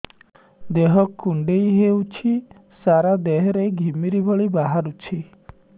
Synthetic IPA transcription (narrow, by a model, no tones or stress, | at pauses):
d̪eɦɔkːuɳɖejɦewt͡ʃʰi | saɾad̪eɦɾejɡʱimiɾibʱɔɭibaɦaɾut͡ʃʰi